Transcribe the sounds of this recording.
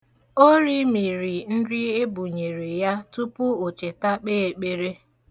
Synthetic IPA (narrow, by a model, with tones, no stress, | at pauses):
o˦ɾi˦mi˨ɾi˨n̩˦dɪ˦e˦bu˨ɲe˨ɾi˨ja˦tu˦pʊ˦o˨t͡ʃe˨ta˦k͡peː˦e˨k͡pe˦ɾe˦